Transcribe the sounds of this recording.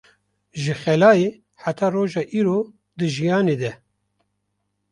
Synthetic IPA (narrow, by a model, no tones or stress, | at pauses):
ʒɨxɛlɑːjeː | ħat̪ʰɑːroːʒɑːʔiːɾoː | d̪ɨʒijɑːneːd̪ɛ